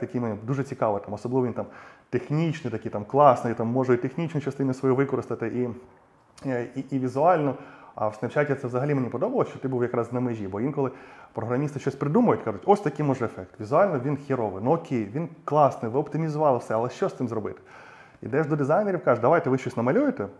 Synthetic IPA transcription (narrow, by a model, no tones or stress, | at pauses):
t̪ɐkʲijmenʲid̪uʐɛt͡sʲikɑʋɪt̪ɑmɔsɔblˠɪʋʲint̪amt̪exnʲit͡ʃnɪjt̪ɐkʲit̪ɑmklˠɑsnɪit̪ɑmːɔʐʊit̪exnʲit͡ʃnɐjt͡ʃɐst̪ɪnɐsʋɔjuʋɪkɔɾɪst̪ɐt̪ɪʔi | iʔːʋʲizʊɑlʲnɔɐ̰wsnɐwt͡ʃatʲːɐt̪sɛʋzɐɦɐlʲimenʲipɔd̪ɔbɐlˠɔsʲt͡ʃɔt̪ɪbuwjɐkɾɑznɐmeʒʲibɔʋinkɔlˠɪpɾɔɦɾɐmʲist̪ɪʃt͡ʃɔsʲpɾɪd̪umɐjʊtʲkɑʐʊtʲɔsʲt̪ɐkʲɪjmɔʐɛefɛkt̪ʋʲizʊɑlʲnɔʋʲinxʲiɾɔʋɪnɔːkʲʰejʋʲinklˠɑsnɪʋɪɔpt̪ɪmʲizʊʋɑlˠɪwsɛɐlˠɛʃt͡ʃɔsɪmzɾɔbɪt̪ɪ̥ | ḭd̪ɛʐd̪ɔd̪ɪzɑjneɾʲiwkɑʒed̪ɐʋajt̪ɛʋɪʃt͡ʃɔsʲnɐmɐlʲujet̪ɛ